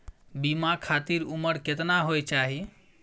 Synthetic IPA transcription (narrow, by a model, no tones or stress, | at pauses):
bimakʰat̪iɾuməɾket̪naɦojt͡ʃaɦi